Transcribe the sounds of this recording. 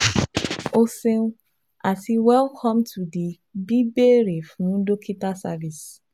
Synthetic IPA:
o˧sẽ˦ | a˨ti˨wɛ˦lkʰɔ̃˦mtʰu˨di˨ | bi˦be˦ɾe˨fnũ˦n˦do˦kʰi˦ta˦sa˦vi˨s

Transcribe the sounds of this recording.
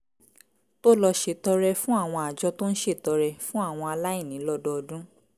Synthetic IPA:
to˦lɔ˧ʃe˧˨tɔ˧ɾɛ˧fũ˦a˦˨w̃ɔ̃˧a˨d͡ʒɔ˧to˦n̩˦ʃe˦˨tɔ˧ɾɛ˧fũ˦a˦˨w̃ɔ̃˧a˧la˦i˦˨nĩ˨˦lɔ˦dɔ˦ɔ˧dũ˦

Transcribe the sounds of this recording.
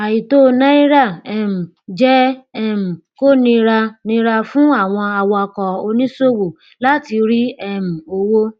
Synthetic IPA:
a˨ji˨to˦˧nã˦i˦ɾa˦˨ɛ˦˨m̩˨ | d͡ʒɛ˦ɛ˦˨m̩˨ko˦nĩ˧ɾa˧nĩ˧˦ɾa˧fũ˦a˦˨w̃ɔ̃˧a˨wɔ˧ɔ˧kɔ˨o˧nĩ˦so˦wo˨ | la˦ti˧ɾi˦ɛ˦˨m̩˨o˧wo˦

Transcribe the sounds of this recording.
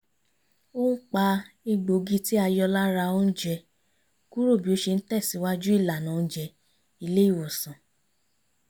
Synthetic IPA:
o˦n̩˦k͡pa˧ | i˧ɡ͡bo˨ɡi˧ti˦a˧jɔ˧la˦ɾa˧o˦n̩˦d͡ʒɛ˧ | ku˦ɾo˦˨bi˨˦o˦ʃe˧n̩˦tɛ˦˨si˨˦wa˦d͡ʒu˦i˦˨la˨nã˨˦˧d͡ʒɛ˧ | i˧le˦i˦˨wɔ˨sã˨

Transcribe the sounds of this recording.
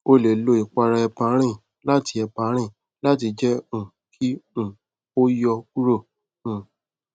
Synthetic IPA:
o˦le˨lo˨˦i˨k͡pa˧ɾa˧ɛ˧pa˧˦ɾ̃ĩ˦˨ | la˦ti˧˦ɛ˧pa˧˨˦ɾ̃ĩ˦˨ | la˦ti˧d͡ʒɛ˦ũ˨ | kʰi˦ũ˨ | o˦jɔ˧ku˦ɾo˦˨ | ũ˨

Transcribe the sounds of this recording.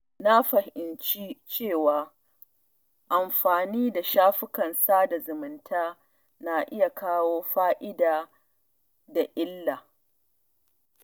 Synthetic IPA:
na˦ɸɐ˨hɪ˨nt͡ʃi˦t͡ʃeː˦˨waː˨ | ʔa˨mɸaː˨niː˦da˨ʃaː˦ɸɪ˦kɐ˨nsaː˦da˨zʊ˨mɪ˨ntʰaː˦ | na˨ʔɪ˦ja˨kaː˦woː˦ɸaː˦ʔɪ˦daː˨ | da˨ʔɪ˦lːaː˨

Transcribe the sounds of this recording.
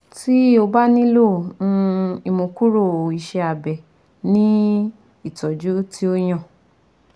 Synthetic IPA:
ti˦o˧ba˦nĩ˦lo˦˨nũ˧i˧mõ˨ku˦ɾo˦˨i˨ʃɛ˧a˨bɛ˨ | nĩ˦ | i˦˨tɔ˨d͡ʒu˦tʰi˦o˦j̃ã˦˨

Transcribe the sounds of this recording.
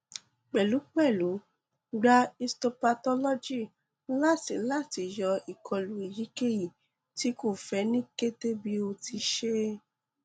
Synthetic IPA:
k͡pɛ˨lu˨˦k͡pɛ˦˨lu˨˦ | ɡ͡ba˧i˧stɔ˧pa˧tɔ˧lɔ˦d͡ʒi˦˨ | la˦˨ti˨la˦˨ti˧˦jɔ˧i˨kʰɔ˧˨lu˨˦i˨ji˨˦ke˦ji˦˨ | ti˦ko˦˨fɛ˨˧˦nĩ˦ke˦te˦bi˦o˧ti˧ʃe˦

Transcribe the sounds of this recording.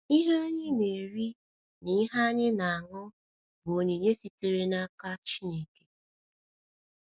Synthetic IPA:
i˦ɦe˦ɲɪ˦ne˨e˨ɾi˦ | ni˦ɦa˦ɲɪ˦na˨a˨ŋʊ˦ | bo˨ɲe˨ɲe˦si˦te˨ɾe˦na˦ka˦t͡ʃi˦ne˦˨ke̥˨

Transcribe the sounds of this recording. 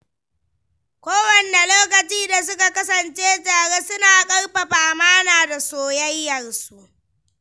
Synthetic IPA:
kʷoː˦wɐ˨nːe˨loː˦kɐ˨t͡ʃiː˦da˨s̬ʊ˦ka˨kɐ˦sɐ˨nt͡ʃeː˦taː˨ɽeː˦sʊ˦naː˨kʼɐ˦rɸɐ˨ɸaː˨maː˦naː˨da˨soː˨jɐ˦jːɐ˨rsu˦ʔ

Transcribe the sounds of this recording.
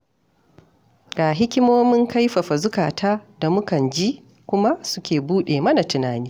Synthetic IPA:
ɡaː˨ɦɪ˦kʲɪ˦moː˦mɪ˦ŋka˦jɸɐ˨ɸa˨zʊ˦kaː˨taː˦da˨mʊ˦kɐ˨nd͡ʒi˦ | kʷʊ˦ma˦sʊ̥˦kʲeː˨buː˦ɗeː˨mɐ˦na˨tʊ˨naː˨niː˦

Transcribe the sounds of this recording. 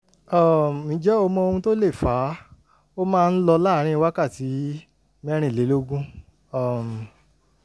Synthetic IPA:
ɔ˦˨mĩ˨˦d͡ʒɛ˦ɔ˧mɔ̃˧o˧hũ˧to˦le˦˨faː˨˦ | o˦mãː˦˧n̩˦lɔ˧la˦ɾ̃ĩ˦i˧wa˦ka˦˨ti˨˦ | mɛ˦ɾ̃ĩ˦˨le˨˦lo˦ɡũ˦ | ɔ˨m˨

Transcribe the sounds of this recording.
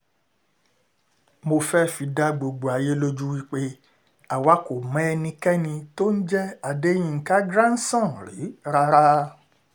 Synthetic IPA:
mo˧fɛ˦fi˧da˦ɡ͡bo˧ɡ͡bo˨a˨je˦lo˦d͡ʒu˦wi˦k͡pe˦ | a˨wa˦ko˨mɛ̃˨˦˧nĩ˧kɛ˦nĩ˧to˦n̩˦d͡ʒɛ˦a˨de˦j̃ĩ˧ŋ̩˨ka˦ɡɾã˦n̩˦sɔ̃˦˨ɾi˨˦ɾa˧ɾa˦

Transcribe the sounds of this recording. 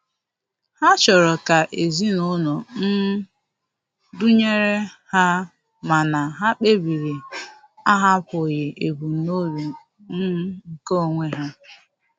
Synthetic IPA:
ha˦t͡ʃɔ˨ɾɔ˨ka˨ʔe˨zi˦no˦no˨n̩˦ | du˦ɲe˦ɾe˦ha˦ | ma˨na˨ɦa˦k͡pe˦bi˨ɾi˨ | a˦ɦa˦pʊ˨je˨ʔe˨bu˨no˦ɾu˨ | n̩˦ŋ̩˨ko˦o˦˨ŋʷe˦ɦa˦

